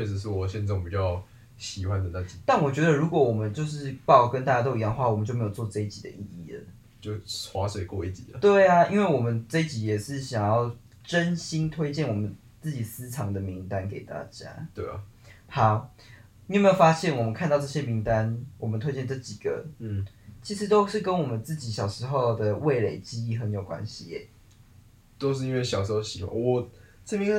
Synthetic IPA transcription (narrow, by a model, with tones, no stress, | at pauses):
t͡ɕwe˥˧ɪʂ̩˨˩ʂ̬ɻ̩˥˩wɔ˨˩ɕɛ˥˧nt͡sɔ˥˩ŋpi˨˩t͡ɕjɑ˥˨˩ʊ | ɕi˨˩xwa˦nd̪ə˨na˥˧t͡ɕi˨˩t̪a˥˨nwɔ˨˩t͡ɕɥɛ˧˥d̪ə˧ɻu˧˥kwɔ˧˦wɔ˨˩mə˦nt͡ɕjo˥˧ʊʂɻ̩˥˧pɑ˥ʊ˨˩kə˧˦nt̪a˥˩t͡ɕja˥t̪o˥˧i˧jɑ˥˧nə˧xwa˥˩wɔ˨˩mə˨nt͡ɕjo˥˩me˥jo˨˩t͡swɔ˥˨˩ʈ͡ʂɤ˥˧i˥t͡ɕi˨˩d̪ə̰˦ʔi˥˧i˥˩ə̰˩ | t͡ɕo˥˩ʊxwa˧˥swe˨˩ɪkwɔ˥˧i˥˩t͡ɕḭ˨˦lə˨˦t̪we˥˩ɪa˩i˥nwe˥˩ɪwɔ˨˩mə˦nʈ͡ʂɤ˥i˦t͡ɕi˧˥jɛ˨˩ʂɻ̩˥˩ɕjɑ˨˩ŋjɑ˥˩ʊ | ʈ͡ʂə˦nɕi˥nt̪ʰwe˥ɪt͡ɕjɛ˥˩nwɔ˨˩mə˦n | t͡sɹ̩˥˩t͡ɕi˨˩sɹ̩˦ʈ͡ʂʰɑ˧˥ŋd̪ə˨mi˧˦˥ŋt̪a˦nkḛ˨˩ɪt̪a̰˥˧t͡ɕja̰˥t̪we˥˩˨ha˨˦ʊ | ni˧˥˨me˦˥jo˨˩fa˥ɕjɛ˥˩nwɔ˨˩mə˦nkʰa˥˧nt̪ɑ˥˧ʈ͡ʂɤ˥˩ɕjɛ˦mi˧˥ŋt̪a˦nwʔɔ˨˩mə˨nt̪we˥ɪt͡ɕjɛ˥˧nʈ͡ʂɤ˥˩t͡ɕi˨˩ɡ̥ə̰˩ | t͡ɕʰi˧˥ʂɻ̩˧˥t̪o˥ʊʂɻ̩˥˩kə˦nwɔ˨˩mə˨˦nt͡sɹ̩˥˩t͡ɕi˧˥ɕjɑ˨˩ʊʂɻ̩˧˥xo˥˩ʊd̪ə˨we˥˩ɪle˨˩ɪt͡ɕi˥i˥˩xə˧˦njo˨˩ʊkwa̰˦nɕi˨jɛ˨˩ | t̪o˥ʊʂ̬ɻ̩˥˨i˧˦nwe˥˩ɪɕjɑ˨ʊʂɻ̩˧˥xo˥˧ʊɕi˨˩wa̰˥˩wɔ˨˩ | t͡sə˥˩mi˧˦ŋ˧